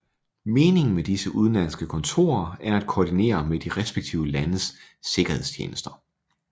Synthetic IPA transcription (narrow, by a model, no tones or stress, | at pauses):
me̝ːne̝ŋn̩med̥isəʔuð̞ˠnlæn̰sɡ̥əkʰɔ̽nt͡sʰo̝̰ːɐæɐæd̥̚kʰoːd̥ine̝̰ːɐmed̥iʁɛsb̥eɡ̥̚t͡sʰḭʊəlænəsː | e̝ɡ̥ɐhe̝ð̰ˠst͡ɕʰjḛːnəsd̥ɐ̥